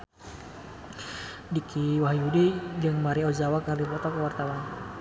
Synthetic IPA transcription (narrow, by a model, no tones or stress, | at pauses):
dikʰiwahjudid͡ʒɨŋmaɾiɔzawakarlipɔt̪ɔkəwart̪awan